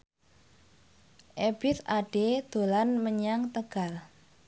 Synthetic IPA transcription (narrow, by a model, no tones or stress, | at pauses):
ʔeb̥ɪt̪aɖ̥ed̪̥o̤lanməɲaŋt̪əɡ̥al